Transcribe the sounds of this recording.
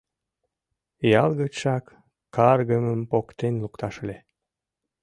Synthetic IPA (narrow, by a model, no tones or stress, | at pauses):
jɑlˠɣəʃɑkː | ɑrɣəməmpokt̪enlukt̪ɑʃlʲe